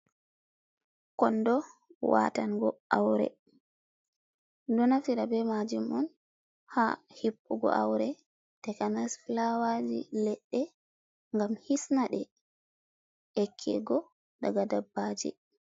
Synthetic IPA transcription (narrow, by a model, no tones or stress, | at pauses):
kɔndɔwa̰tanɡɔawɾɛ̰ | dɔnafiɾabɛmad͡ʒimɔn | hahipːuɡɔ̰ʔa̰wɾɛ | tɛkanasflawad͡ʒḭlɛɗːɛ | ŋɡamhisnaɗɛ | ɛkʰːɛ̰ɡɔ | daɡadabːad͡ʒɛ̰